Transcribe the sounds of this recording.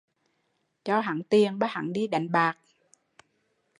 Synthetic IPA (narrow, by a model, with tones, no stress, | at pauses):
t͡ɕɔ˧ɦa̰˧˩ŋt̪i˨˩əŋɓaː˦˥ha̰˧˩˦ŋɗi˧ɗa˨˩jŋɓaː˨˩k̚